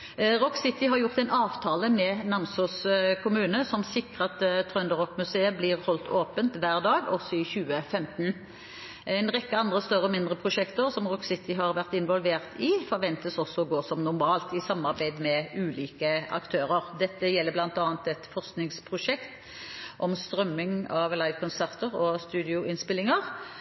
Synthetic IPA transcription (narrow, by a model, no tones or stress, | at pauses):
ʁɔksɪt̪ɪɦɑʁjʊʁt̪ɛɪnɑːʋt̪ʰɑːləmɛnɑnsʊskʰʊmʉːnəsɔmsɪkʁɑt̪t̪ʰːʁœnd̪əʁɔkmʉseːəblɪʁhɔlt̪ʰoːpənt̪ʋæːʁd̪ɑːɡɔsɔɪçʉːəfɛmt̪n | æɪnʁɛkːəɑnd̪ʁəst̪œʁəɔmɪnd̪ʁəpʰʁʊʃɛkt̪əʁsɔmʁɔksɪt̪ɪɦɑʁʋæʁt̪ɪnʋɔlʋeːʁt̪ʰɪfɔʁʋɛnt̪əsɔsːɔɔɡoːsɔmnʊʁmɑːlt̪ɪsɑmːɑʁbæɪd̪mɛʉːliːkəɑ̰kt̪ʰøːɾəʁd̪ɛt̪ːəjɛlːəblɑnt̪ɑːnt̪ɛt̪fɔʁsknɪŋspʰʁʊʂɛkt̪ | ʔɔmst̪ɾœmːɪŋɑʋlɑɪʋkʰɔnsæʁt̪əʁɔst̪ʉːd̪ɪʊɪnspɪlːɪŋəʁ